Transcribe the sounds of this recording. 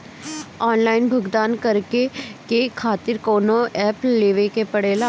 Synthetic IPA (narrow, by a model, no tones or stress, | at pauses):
ɔːnlaːɪnbʱʊɡd̪aːnkɐɾkekekʰaːt̪ɪɾkoːnoʔɛːpleːʋekepɐɽeːla